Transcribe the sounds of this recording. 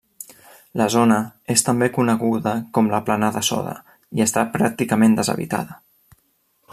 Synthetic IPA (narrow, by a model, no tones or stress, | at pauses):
ləzonəest̪əmbekunəɣuðəkɔmləplanaðəsɔ̰ðə̰ | iəst̪apɾak̚t̪ikəmend̪əzə̰βḭt̪a̰ðə